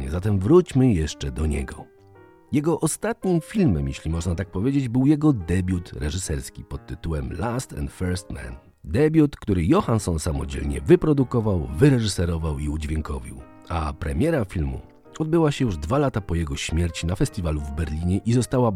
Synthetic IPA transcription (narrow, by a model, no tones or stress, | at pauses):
ɲɛ̰zat̪ɛmvɾut͡ɕmɘjɛʂt͡ʂɛd̪ɔɲɛ̰ɡɔ | jɛɡɔʔɔst̪at̪ɲimfʲilmɛmjeɕlʲimɔʐnat̪ak̚pɔvʲjed͡ʑed͡ʑbɘwjɛɡɔd̪ɛbʲjut̪ɾɛʐɘsɛɾskʲipɔt̪ːɘt̪uwɛmlast̪ɛ̰nt̪fɛɾst̪mɛ̰n | d̪ɛbʲjut̪kt̪uɾɘjɔxansɔnsamɔ̰d͡ʑḛlɲɛ̰vɘpɾɔd̪ukɔvawvɘɾɛʐɘsɛɾɔvawiud͡ʑvʲjɛŋkɔvʲḭw | apɾɛmʲjɛɾafʲilmṵ | ɔd̪̚bɘwaɕɛjuʐd̪valat̪apɔjɛɡɔɕmʲjɛɾt͡ɕinafɛst̪ʲivaluvbɛɾlʲiɲɛʔizɔst̪awa